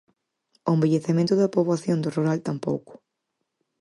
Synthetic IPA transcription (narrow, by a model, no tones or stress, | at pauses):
ʊembeʎeθemẽnt̪ʊðɐpoβlaθjõnd̪oruɾalt̪ampo̰wkʊ̥